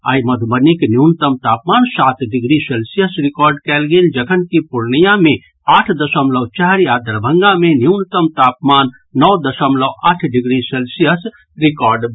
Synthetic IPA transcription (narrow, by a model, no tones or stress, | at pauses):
a̰ːjmɐd̪ʱbəniknjuːnt̪əmt̪aːpmaːnsaːt̪ɖɪɡɾiselsijəsɾɪkɔːɾɖkɛːlɡeld͡ʒəkʰənkipuɾnijamẽ | aːʈʰd̪ɐsəmləwt͡ʃaɦɾjaːd̪əɾbʱə̃ŋɡãmẽnjunt̪əmt̪aːpmaːnː | ɔːd̪əsəmləʔaːʈʰɖɪɡɾiselsijəs | ɾɪkɔːɾɖ